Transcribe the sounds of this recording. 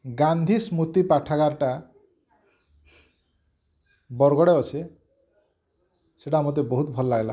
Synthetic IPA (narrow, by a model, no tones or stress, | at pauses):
ɡand̪ʱismut̪ipaʈʰakaɾʈa | bɔɾɡɔɽeɔt͡ʃʰe | seʈamɔt̪̬ebɔɦut̪bʱɔlɔlaɡela̰